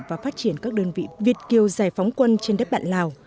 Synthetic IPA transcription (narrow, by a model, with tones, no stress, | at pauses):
vaː˨˩faː˦˥t̚t͡ɕi˧˩ənkaː˦˥k̚ɗəː˧nvḭ˧˨vi˨˩ət̚ki˨˩əwzaː˨˩jfa˨˦wŋ͡mkwə˧nt͡ɕe˧nɗəː˦˥t̚ɓa̰ː˧˨nlaː˧˩w